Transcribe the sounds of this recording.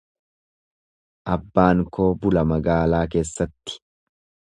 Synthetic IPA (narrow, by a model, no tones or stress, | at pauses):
ʔɐbːaːŋkʰo̞ːbʊlɐmɐɡaːlaːk̬e̞ːsːɐt̪ːɪ̥